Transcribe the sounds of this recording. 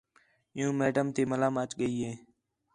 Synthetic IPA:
ɪjũːmeːɖəmt̪eːməlaːmət͡ʃɠəiːɦeː

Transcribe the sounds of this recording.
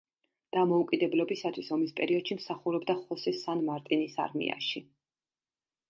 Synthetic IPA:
d̪̥amɔukʼid̪ɛblɔbisat̪ʰwisɔmispʼɛɾiɔd̪̥ʃimsaχuɾɔbd̪aχɔsɛsanmaɾt̪ʼinisa̰ɾmḭa̰ʃi

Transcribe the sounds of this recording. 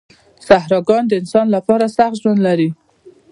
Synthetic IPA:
sahɾɑɡɑnd̪əɪnsɑnlapɑɾasaxt̪ʒwand̪laɾi

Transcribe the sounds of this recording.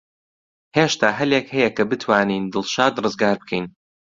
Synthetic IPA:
heːʃt̪ʰaːɦɐlekhɐjɛkʰɐbɨt̪ʰwaːniːnd̪ɨlˠʃaːd̪rɨzɡaːɾbɨkʰɛjn

